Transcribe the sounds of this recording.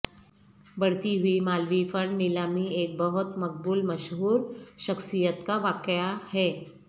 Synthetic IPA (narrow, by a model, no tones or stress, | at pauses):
bɐɽ̤t̪iɦʊimaːlʋifəɽnɪlaːmieːk̚bɐɦʊt̪mɐk̚buːlmɐʃɦuːɾʃɐxsijət̪kaʋaːkjahɛː